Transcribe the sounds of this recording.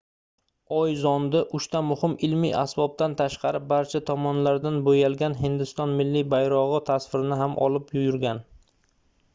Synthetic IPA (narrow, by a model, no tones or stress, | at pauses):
ɒjzɒnd̪ɪʔʊʃt̪amʊhɪmɪlmḭjʔa̰sbɒb̚t̪ant̪ʰaʃqɑɾɪp̚baɾt͡ʃʰat̪ʰɒmɒnlaɾd̪anbojalɡʲanɦɪnd̪ɪst̪ɒnmɪlːibajɾɒʁɨt̪ʰasfɪɾɪnɪɦamʔɒ̰lˠɪpjʊjʊɾɡʲan